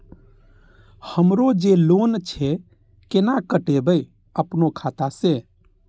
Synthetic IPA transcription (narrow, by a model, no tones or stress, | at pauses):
həmɾod͡ʒelont͡ʃʰɛ | kenakəʈebəi | əpnokʰat̪ase